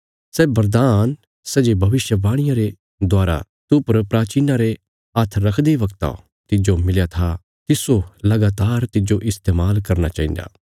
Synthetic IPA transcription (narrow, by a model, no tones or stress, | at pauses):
sɛːbɐɾd̪aːn | sɛd͡ʒebʱɐʋɪʃjəbaːɽ̃ɪjãɾe | d̪oaːɾa̰ | t̪upɐɾpɾaːt͡ʃiːnaɾe | at̪ʰɾːɐkʰd̪eʋɐkt̪a̰ | t̪ɪd͡ʒomɪljat̪ʰa | t̪ɪsolɐɡaːt̪aːɾt̪ɪd͡ʒoʔɪst̪eːmaːlkɐɾnat͡ʃaːĩnd̪a̰ː